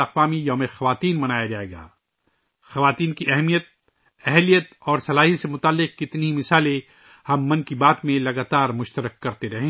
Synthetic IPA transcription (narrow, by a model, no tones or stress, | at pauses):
ɐqʋaːmijoːmexɐʋaːt̪iːnmɐnaːjad͡ʒaːeːɡa̰ː | xɐʋaːt̪iːnkiʔɛɦmijət̪̚ | ɛɦlijət̪ɔːɾsɐlaːɦisemʊt̪aːlːɪq̚kɪt̪neimɪsaːle | hɐmːɐ̃nkibaːt̪mẽlɐɡaːt̪aːɾmʊʃt̪əɾəkːɐɾt̪eɾɐɦẽː